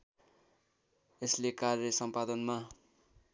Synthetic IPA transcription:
eslekarjʌsʌmpad̪ʌnma

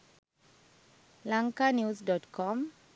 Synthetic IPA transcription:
laŋkanjusdɔtkʰɔm

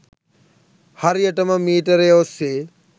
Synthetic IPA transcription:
hɐɾjɐʈɐmɐmiːʈɐɾeʋose

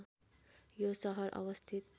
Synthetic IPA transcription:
josʌɦʌɾʔʌ̰wʌst̪ʰit̪̚

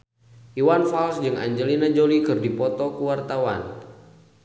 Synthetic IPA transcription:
ʔiwanfalsd͡ʒɨŋa̰ɲd͡ʒəlinad͡ʒolikɨrdipɔt̪ɔkuwart̪awa̰n

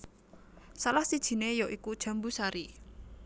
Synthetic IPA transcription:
salahsid̥ʒ̥i̤nejɔʔikud̥ʒ̥a̤mbusaɾi

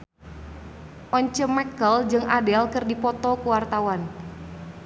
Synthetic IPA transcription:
ʔɔɲt͡ʃəmːɛkəld͡ʒɨŋʔadɛlkɨrdipɔt̪ɔkuwart̪awan

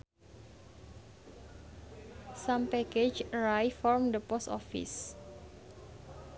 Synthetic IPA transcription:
sampɛket͡ʃɹajfɔrmd̪əpɔst̪ɔ̰fḭs

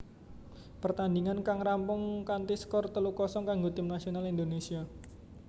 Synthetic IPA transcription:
pərt̪andiŋankaŋɾampʊŋkant̪iskɔrt̪əlukɔsɔŋkaŋɡot̪ɪmnasionalind̪onesia

